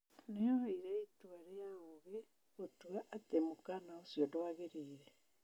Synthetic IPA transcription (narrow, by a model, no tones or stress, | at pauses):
nejɔɦaiɾɛitwaɾeaoɣe | otwaʔatemokanaosjɔdoaɣeɾiːɾɛ